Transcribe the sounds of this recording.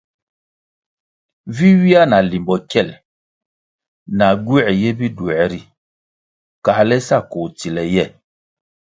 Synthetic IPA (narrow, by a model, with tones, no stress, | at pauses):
vi˦wi˦a˦na˨li˨mbɔ˨kɛ˦˨l | na˨ɡu˦˨ɛ˨jɛ˦bi˦du˨ɛ˨ɾi˨ | ka˨˦lɛ˦sa˦˨ko˨ti˨lɛ˨jɛ˦˨